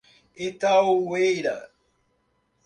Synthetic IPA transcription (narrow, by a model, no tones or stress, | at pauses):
et̪aowejɾa̰